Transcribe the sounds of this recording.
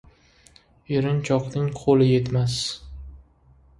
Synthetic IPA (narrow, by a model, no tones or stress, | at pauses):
eɾɪnt͡ʃʰɒqnɪŋqʰolɪje̞t̪mas